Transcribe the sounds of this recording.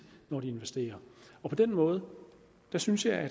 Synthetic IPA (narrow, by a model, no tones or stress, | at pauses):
nɒːdie̝nʋesd̥e̝̰ːɐɒ̽pʰɒ̽d̥enmɔ̽ːð̞̩ˠ | d̥æsynsjɑ̈ɪæ